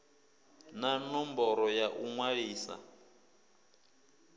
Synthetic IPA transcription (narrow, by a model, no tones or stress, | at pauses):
nanɔmbɔɾɔjaʔuŋwaɺiːsa̰